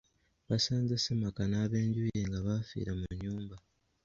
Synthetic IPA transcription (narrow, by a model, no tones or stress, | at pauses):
βasaːɲzasemakanaːβe̞ːɲɟujeŋɡaβafḭɾamuɲuːmba